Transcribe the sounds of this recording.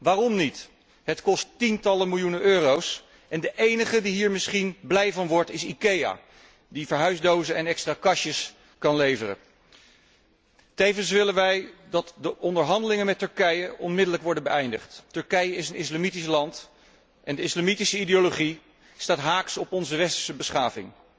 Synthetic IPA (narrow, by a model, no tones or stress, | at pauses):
ʋaːrɔmnit | ɦətkɔstintɑləmɪlˠjunəʔøːrows | ʔɛndəʔejnəχədiɦiːɹmɪsχinblɛjvɑnʋɔɹtɪsikeja̰ː | divəɹɦœɥzdowzəɛnɛkstraːkɑʃəs | kɑnlejvərə̰ | tejvəns̬ʋɪlənʋɛjdɑtdəʔɔndəɹɦɑndəlɪŋənmɛtɵɹkɛjəʔɔnmɪdələkʋɔɹdənbəɛjndəχttɵɹkɛjəɪsənɪslamitislɑnt | ʔɛndəɪslamitisəideoloχi | staːtɦaːksɔpɔnzəʋɛstə̥ɹsəbəsχaːvɪ̰ŋ